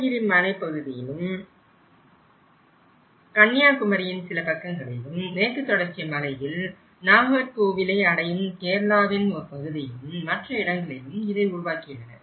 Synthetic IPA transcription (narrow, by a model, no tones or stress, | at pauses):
jɪɾimɐnɐɪpɐɣɯðɪjɪ̰lɯm | kɐnːjaːkʊmɐɾɪjɪnsɪlɐpɐkːɐŋɡɐɭɪlɯmneːkːɯt̪ːɔɽɐɾt͡ʃɪjɐmɐlɐɪjɪl | naːɣɐɾkoːʋɪlɐɪɐɽɐjɯnk̪eːɾlaːʋɪnoɾpɐɣɯðɪjɪlɯmːɐʈrɐɪɽɐŋɡɐɭɪlɯmɪðɐɪʊɾʊʋaːkːɪjɐnɐ̰